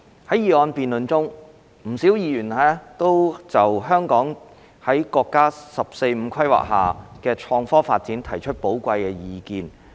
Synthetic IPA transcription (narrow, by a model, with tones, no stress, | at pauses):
hɐ˨˥jiː˨˩ɔː˧npiː˨nlɵ˨nt͡sʊ˥ŋ | m̩˨˩siː˨˥wjiː˧jyː˨˩nɛː˥t̪o˥wt͡sɐ˨wɦœː˥ŋkɔː˨˥ŋ | hɐ˨˥jkɔː˧kːaː˥sɐ˨p̚se˧jm̩˨˧˥kʰɐ˥jwa̰ː˨k̚ɦa̰ː˨kɛː˧t͡ʃʰɔː˧ŋfɔː˥faː˧t̚t͡si˨˥nt̪ʰɐ˨˩jt͡ʃʰɵ˥t̚po˨˥wkʷɐ˧jkɛː˧jiː˧kiː˧n